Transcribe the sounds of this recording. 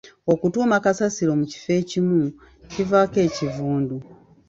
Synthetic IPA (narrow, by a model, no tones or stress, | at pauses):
o̞kutuːmakasasiɾo̞muci̥fe̞ːcimu | civake̞ːcivuːndu